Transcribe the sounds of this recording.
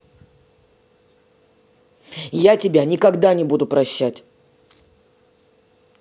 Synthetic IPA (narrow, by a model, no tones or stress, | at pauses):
jatʲɪbʲanʲɪkɐɡd̪anʲɪbud̪ʊpɾɐɕːætʲ